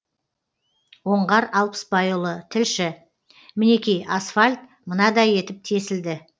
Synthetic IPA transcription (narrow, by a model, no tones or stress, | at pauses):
wo̞ɴʁɑɾɑlˠpə̥sbɑjulˠət̪ʰɪlʃɪ | mɪne̞kʲejɑsfalʲt̪ | mənɑd̪ɑje̞t̪ɪp̚t̪ʰe̞sɪld̪ɪ